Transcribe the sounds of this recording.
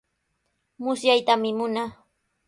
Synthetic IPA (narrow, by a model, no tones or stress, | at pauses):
mʊsjajt̪amɪmʊnaː